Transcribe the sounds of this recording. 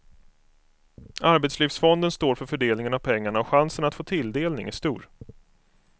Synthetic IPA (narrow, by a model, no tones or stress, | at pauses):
aɾbɛt̪sliːfsfɔnd̪ənst̪oːɾfœɾfœɖeːlnɪŋənavpʰɛŋːaɳaɔɧansənat̪foːt̪ʰɪld̪eːlnɪ̰ŋæʂt̪uːɾ